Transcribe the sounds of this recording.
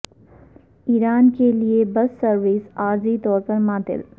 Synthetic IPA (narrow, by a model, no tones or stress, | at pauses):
iːɾaːnkeliebɐsːɐɾʋɪsaːɾzit̪ɔːɾpɐɾmaːt̪ɪ̰l